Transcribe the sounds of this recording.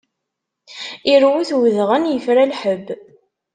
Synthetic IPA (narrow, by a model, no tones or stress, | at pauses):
iɾwuθwðʁənjəfɾalħəbː